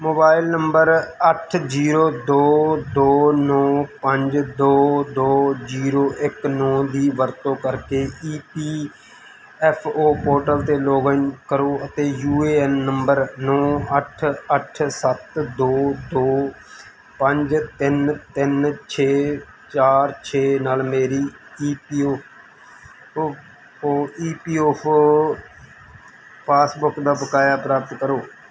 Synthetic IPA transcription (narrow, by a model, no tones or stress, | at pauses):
moːbaːɪlnəmbəɾəʈʰd͡ʒiːɾoːd̪oːd̪oːnɔːpəɲd͡ʒd̪oːd̪oːd͡ʒiːɾoːʔɪknɔːd̪iːʋəɾt̪õːkəɾkeːʔiːpiː | ɛːpʰoːpoːɾʈəlt̪eːloːɡəŋkəɾoːət̪eːjuːeːɛnːəmbəɾnɔːəʈʰəʈʰsət̪d̪oːd̪oː | pəɲd͡ʒt̪ɪnt̪ɪnt͡ʃʰeː | t͡ʃaːɾt͡ʃʰeːnaːlmeːɾiːiːpiːoːpʰ | oːiːpiːoːpʰ | pʰaːsbʊkd̪aːbəkaːjaːpɾaːpət̪kəɾoː